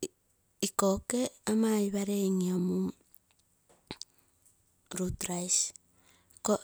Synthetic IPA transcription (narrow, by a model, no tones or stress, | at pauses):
ikokeamaiβaɾeŋiamu | ɾutɾais | ko